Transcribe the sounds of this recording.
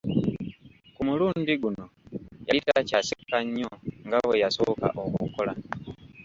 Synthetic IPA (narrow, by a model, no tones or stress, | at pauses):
kumuluːndiɡuno̞jaitacasikaɲːoŋɡawejasoka̰ʔokukola